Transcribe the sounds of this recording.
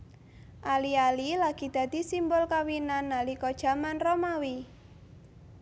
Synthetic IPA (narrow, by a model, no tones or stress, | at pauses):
ʔalialilaɡ̥i̤d̪̥ä̤d̪̥i̤simbʊlkawinanːalikɔd̥ʒ̥a̤manromawi